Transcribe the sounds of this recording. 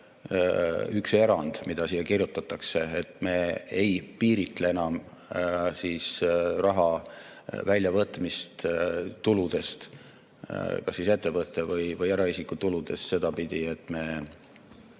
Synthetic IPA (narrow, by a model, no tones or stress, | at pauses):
ykse̞ɾɑnd̪̥mid̪̥ɑsiːjːɑkirjut̪ːˑɑt̪ːˑɑkse̞et̪me̞ːejpiːɾit̪ˑlee̞nɑm | siːsrɑɦɑ | vælʲːjɑvɤt̪ˑmist̪t̪ulud̪̥e̞st̪ | kɑsːise̞t̪ːe̞vɤt̪ːˑevɤjvɤjeɾɑisikːut̪ulud̪̥e̞st̪se̞d̪ɑpid̪̥ie̞t̪ːˑme̞